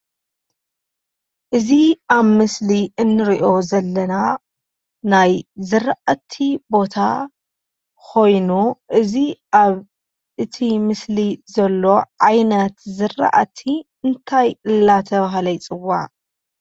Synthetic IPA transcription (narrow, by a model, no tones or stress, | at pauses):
ʔɨziaβmɨsliʔɨnːɨɾiʔo̞zɐlːɐna | najzɨɾʔat̪ʰːibo̞t̪ʰa̰ | kʰo̞jnuʔɨziʔaβ | ʔɨt̪ʰimɨslizɐlːo̞ʕajnɐt̪zɨrːa̰ʔa̰t̪ʰi | ɨnt̪ʰajɨlːat̪ʰɐβaɦlɐjt͡sʼɨwa̰ʔ